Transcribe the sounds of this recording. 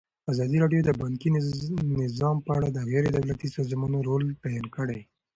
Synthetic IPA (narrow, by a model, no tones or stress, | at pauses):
azɑd̪iɾɑɖjod̪əbaŋkinɪzɑmpəaɽad̪əɣɛɾed̪awlat̪isɑzmɑnoɾolt̪ajɑnkəɽej